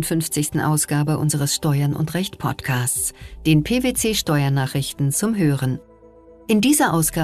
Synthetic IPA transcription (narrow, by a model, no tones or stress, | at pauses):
ntfʏnft͡sɪçstn̩ʔa̰ʊsɡ̥aːbəʔʊ̰nzəʁəsʃtɔʏɐnʔʊ̰ntʁɛçtpʰɔ̰tkʰaːst͡sd̥eːnpʰeːveːt͡seːʃtɔʏɐnaːχɪçtn̩t͡sʊmɦøːʁən | ʔɪndiːzɐʔaʊsɡ̥aː